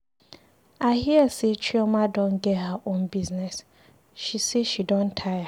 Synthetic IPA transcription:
ahiɛset͡ʃʰiɔmãdɔ̃nɡɛthaʔõnbiznɛs | ʃiseʃidɔ̃ntʰaja

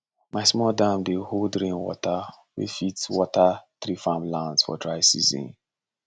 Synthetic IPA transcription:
maɪsmɔldãmbeholdɾẽnwɔ̰ta | wḛfitwɔtat̪ɾifãmlãnsfɔ̰dɹaɪsizḭ̃n

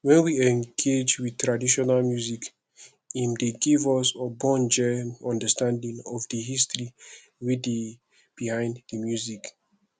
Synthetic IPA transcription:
wɛ̃nwiɛ̃ŋɡed͡ʒwid̚tɹadiʃɔnalmjuzik | ĩndeɡivɔsəbɔ̃nd͡ʒɛɔ̃ndəstãndĩŋɔvdəhistɹi | wide | b̥ihãɪ̃nddəmjuzik

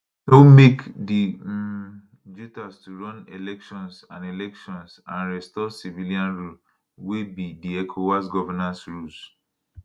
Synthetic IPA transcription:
nomekdi | d͡ʒutastuɹɔ̃nelɛkʃɔ̃nsãnelɛkʃɔ̃nsãnɹɛstɔsiviliãnɹul | webidiɛkʰowasɡɔvɛnãnsɹuls

